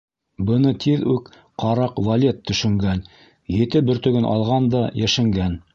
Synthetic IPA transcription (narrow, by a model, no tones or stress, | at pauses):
bɤ̆nɤt̪ʰiðʉk | qɑɾɑqvɐlʲet̪ʰːɵ̆ʃɵ̆ŋɡæn | jɘ̆t̪ɘbɵ̆ɾt̪ɵ̆ɡɵnʔɑ̰lˠʁɑnd̪ɑjæʃæŋɡæn